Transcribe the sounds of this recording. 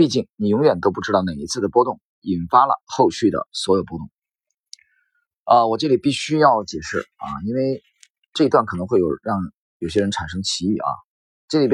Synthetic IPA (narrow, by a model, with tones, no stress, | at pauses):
i˥˧t͡ɕi˥˩ŋni˨˩jʊ˧˥ŋɥɛ˨˩nt̪o˥ʊpu˥˩ʈ͡ʂɻ̩˥t̪ɑ˥˩ʊne˨˩ɪi˧˥t͡sʰɹ̩˥˩d̪ə˩pwɔ˥t̪ʊ˥˩ŋ | i˨˩nfa˥lə̰˨xo˥˧ʊɕy˥˩d̪ə̰˩swɔ˧˥jo˨˩ʊpwɔ˥t̪ʊ˥˩ŋ | ə˧wɔ˨˩ʈ͡ʂɤ˥˩li˨˩pi˥˩ɕy˥jɑ˥˩ʊt͡ɕjɛ˨˩ʂɻ̩˥˩ɐ̰˧i˥nwe˥˧ɪ | ʈ͡ʂɤ˥˩˧i˥t̪wa˥˩nkʰɤ˨˩nɤ˧˥ŋxwe˥˩ɪjo˨˩ʊɻɑ˥˩ŋ | jo˨˩ʊɕjɛ˥ɻə˧˥nʈ͡ʂʰa˨˩nʂ̬ɤ˥ŋt͡ɕʰi˧˥y˥˩ɐ̰˧˩ | ʈ͡ʂɤ˥˩li˨˩p